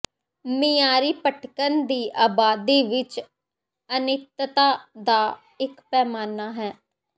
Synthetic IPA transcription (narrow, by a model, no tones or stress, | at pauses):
miːjaːɾiːpəʈʰkənd̪iːʔaːbaːd̪iːʋɪt͡ʃ | ənɪt̪t̪aːd̪aː | ɪkpɛːmaːnaːɦɛː